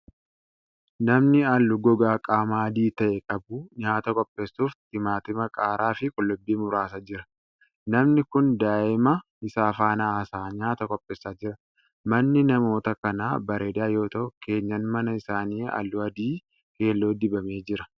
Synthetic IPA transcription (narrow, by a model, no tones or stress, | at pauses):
nɐmnɪɐlːʊɡɔɡaːkʼaːmaːd̪iːt̪ɐʔɛkʼɐbʊɲaːt̪ɐkʼɔpʼːe̞ːsːuːft̪ɪmaːt̪ɪmɐkʼaːɾaːfɪkʼɔlːʊbːiːmʊɾaːs̬ɐd͡ʒɪɾɐ | nɐmnɪkʊnd̪aːʔɪmɐ | ɪsaːfaːnɐːsaːɲaːt̪ɐkʼɔpʼːeːsːaːd͡ʒɪɾɐ | mɐnːɪnɐmo̞ːt̪ɐkɐnaːbɐɾeːd̪aːjo̞ːt̪ɐʊke̞ːɲːɐnmɐnɐɪsaːniːɐ̰lːʊɐd̪iː | ke̞ːlːoːd̪ɪbɐme̞ːd͡ʒɪɾɐ